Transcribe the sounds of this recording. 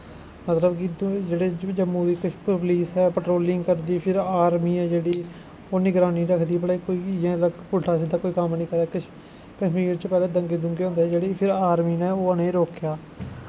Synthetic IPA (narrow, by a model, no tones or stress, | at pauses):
mət̪ləbkɪd̪d͡ʒeːɽeːd͡ʒəmũːd̪iːkʊpʋliːsɛːpəʈɾoːlɪŋɡkəɾd̪iːpʰɪɾaːɾmiːɛːd͡ʒeːɽiː | oːnĩːɡəɾãːniːɾəkʰd̪iːbəɽikoːiːjãːləpʊlʈʰaːsid̪aːkoːiːkəmnĩːkəɾɛːkə | kəʃmiːɾt͡ʃəpɛːlɛ̃ːd̪əŋɡeːd̪ʊŋɡːõːnd̪eɛːd͡ʒeːɽiːpʰɪɾaːɾmiːnɛ̃ːoːənẽːɾoːkjaː